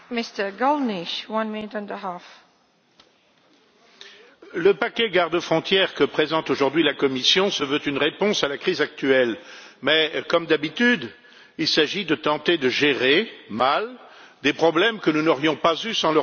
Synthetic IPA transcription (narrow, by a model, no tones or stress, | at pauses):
mɪstə˞ɡɔlˠniʃwʌ̃nmɪ̃nɪtɔ̃nd̪əɦaf | ləpakʲɛɡaʁd̪əfχɔ̃t̪jɛʁkəpχezɑ̃t̪oʒuʁd̪ɥilakɔmisjɔ̃səvøt̪ynʁepɔ̃salakχizak̚t̪yɛlmɛkɔmd̪abit̪yd̪ | ilsaʒid̪ət̪ɑ̃t̪ed̪əʒeʁemal | d̪epχɔblɛmkənunɔʁjɔ̃pazysɑ̃l